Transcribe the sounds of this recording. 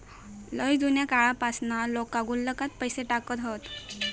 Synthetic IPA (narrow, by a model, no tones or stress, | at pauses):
ləjd̪unjakaɭapasnalokaɡulːəkat̪̚pəjseʈakət̪ɦot̪